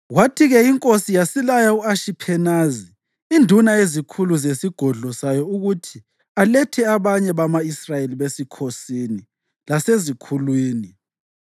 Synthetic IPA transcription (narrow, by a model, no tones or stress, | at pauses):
watʰiɣɛiŋkʼosijasilajauaʃipʰɛnaːzi | indʱunaezikʰuluzesiɡ̥ʱɔɮɔsajɔuɣutʰi | alɛtʰɛaβaɲɛβamaisrajeliβesikʰosiːni | lasezikʰulwiːni